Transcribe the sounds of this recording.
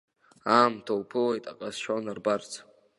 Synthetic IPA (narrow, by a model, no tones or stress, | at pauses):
aːmtʰowpʰɨlejtʼaqʼazʃanarbart͡sʰ